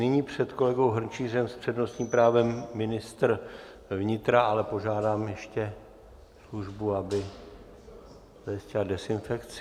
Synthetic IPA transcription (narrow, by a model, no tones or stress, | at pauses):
nɪɲiːpr̝̥ɛt̪ko̞lɛɡo̞wɦr̩t͡ʃiːrɛmspr̝̥ɛdno̞st̪ɲiːmpɾaːvɛmːɪnɪst̪r | vɲɪt̪ɾaalɛpo̞ʒaːdaːmjɛʃcɛ | sluʒbuabɪ | z̥ajiscɪladɛsɪnfɛkt͡sɪ